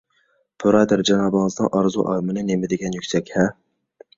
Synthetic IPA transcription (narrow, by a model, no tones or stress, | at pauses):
b̥ʰʊɾɑd̪æɾd͡ʒɑnɑːbɨŋəznɨ̰ŋʔɑɾzṵʔɑ̰ːmɨnɨnemɪd̪ɪɡʲɛnjykʲsɛkʲhɛ